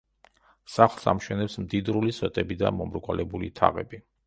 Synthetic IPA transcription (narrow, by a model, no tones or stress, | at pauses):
saχlˠsamʃɛnɛpsmd̪id̪ɾuliswɛt̪ʼɛbid̪amɔmɾɡwalɛbulit̪ʰa̰ʁɛbi